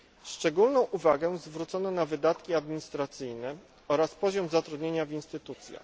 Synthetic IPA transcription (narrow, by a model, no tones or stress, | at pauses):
ʂt͡ʂɛɡulnɔ̃w̃ʔuvaɡɛzvɾut̪sɔnɔnavɘd̪at̪kʲiad̪mʲiɲist̪ɾat̪sɘjnɛ | ɔɾaspɔʑɔmzat̪ɾud̪ɲeɲavʲinst̪ɘt̪ut̪sʲja̰x